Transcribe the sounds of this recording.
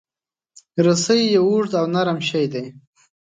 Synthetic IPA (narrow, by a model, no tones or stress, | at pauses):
ɾəsəjjeuʐd̪awnaɾamʃajd̪aj